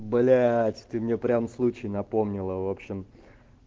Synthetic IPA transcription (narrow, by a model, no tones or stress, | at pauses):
bɐlʲatʲt̪ɨmnʲe̞pɾʲamslˠut͡ɕɪjnɐpo̞mnʲɪlˠəvo̞pɕːɪm